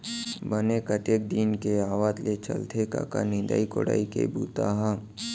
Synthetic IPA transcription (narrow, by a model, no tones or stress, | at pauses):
bənekət̪ek̚d̪iːnkeaːʋaːt̪let͡ʃə̰lt̪ʰeka̰kanɪ̃nd̪a̰ikoɽa̰ːikḛbṵːt̪aɦã